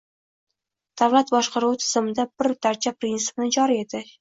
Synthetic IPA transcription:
d̪̥avlat̪bɒʃqɑɾuwt̪ʰɪ̥z̥ɪmɪd̪abɪɾt̪ʰaɾt͡ʃʰapʰɾinsɪ̥pnɪd͡ʒɒɾie̞d̪ɪ

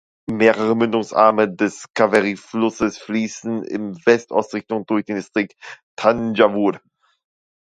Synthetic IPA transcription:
meːʁəʁ̞əmʏndʊŋsʔa̰ɐmədɛskʰavaʁiflʊsəsfliːsn̩ɪ̰mvɛstʔɔ̰ʊstʁɪçtʊŋd̥ʊɐçd̥eːnstʁ̥ik̚ttʰand͡ʒavuɾ

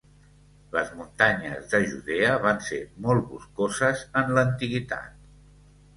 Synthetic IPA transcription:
ləzmunt̪aɲə̰zðəʒuðeəβansemɔlˠβṵskozəzənlənt̪iɣit̪a̰t̪

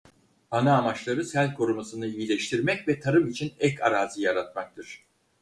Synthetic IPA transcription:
anaːmat͡ʃlˠaɾɯsælʲkʰo̞ɾumasɯnɯijilʲɛʃt̪ʰiɾmɛcvɛt̪ʰaɾɯmit͡ʃʰinɛcʰa̰ɾaːzɯjaɾat̪̚mak̚t̪ʰɯɾ̥

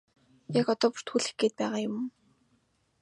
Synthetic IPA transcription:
jakɔt̪ɔːpʊ̥r̥t̪ʰxuːɮɘ̥̆xɡeːt̪̚pæːʁaːjʊm

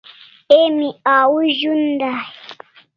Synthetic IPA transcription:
emiawuʒund̪a

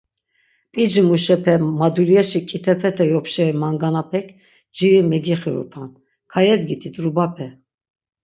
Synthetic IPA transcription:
pʼid͡ʒmuʃɛpʰɛmad̪uliɛʃikʼit̪ʰɛpʰɛt̪ʰɛjɔpʰʃɛɾimaŋɡanapʰɛkʰ | d͡ʒiɾimɛɡiχiɾṵpʰan | kʰajɛd̪ɡit̪ʰit̪ʰʼɾubapʰɛ

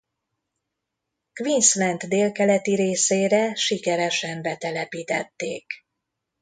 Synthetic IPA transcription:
kvinslɛnt̪d̪eːlkɛlɛt̪iɾeːseːɾɛʃikɛɾɛʃɛmbɛt̪ɛlɛpiːt̪ɛt̪ːeːk

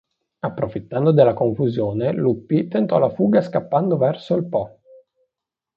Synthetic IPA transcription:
apːɾofit̪ːand̪od̪elːakoɱfuzjoːnelupːit̪ent̪ɔlafuːɡaskapːand̪ovɛrsoilpɔ

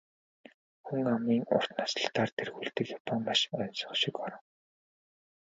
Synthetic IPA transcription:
xuŋamiːŋʊ̰r̥t̪nasə̥̆ɬt̪aːrt̪ʰerɣuːɮt̪ɘ̆kjapʰɔmpaʃœnsɞ̥̆χʃikɔɾə̆ŋ

